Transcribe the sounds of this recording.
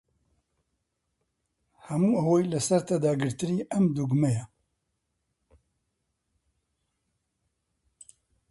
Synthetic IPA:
hɐmuːɐwojlɐsɐɾt̪ɐd̪aːɡɨɾt̪ɨɾiːʔɐmd̪uɡmɛjɛ

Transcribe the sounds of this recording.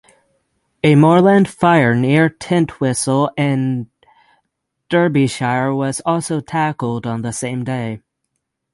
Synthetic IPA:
ɨmɔɹlæ̃nd̥faɪə˞nɪɹtʰɪ̃ntʰwɪsl̩ˠɨ̃n | d̥ɜ˞biʃaɪə˞wʌz̥ɔlˠsoʊtʰækl̩ˠdn̩ðəsẽɪ̃mdeɪ

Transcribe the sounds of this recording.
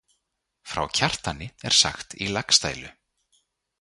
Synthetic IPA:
fɾa̰wcʰar̥t̪anːɪɛ̰ɾ̥sa̰xt̪ilakst̪a̰jlʏ

